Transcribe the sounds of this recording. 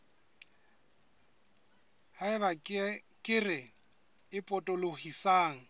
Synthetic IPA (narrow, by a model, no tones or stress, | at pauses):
haɪβakʼɪrɪ | ɪpʼɔtʼolohisaːŋ̩